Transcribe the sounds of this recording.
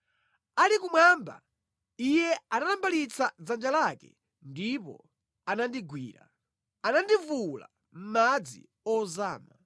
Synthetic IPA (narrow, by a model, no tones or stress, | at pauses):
alikumwamba̰ | ijɛanalambalit͡sʰad͡zand͡ʒalakɛ̰ | ndipɔ̰ | anandiɡwḭːɾa̰ | anandivula̰ | m̩mad͡zḭ | ɔzaːma